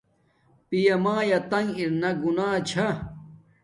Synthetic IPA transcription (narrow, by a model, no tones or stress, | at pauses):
pijɐmaːjɐt̪ɐŋiɾnɐɡunaːt͡ɕʰa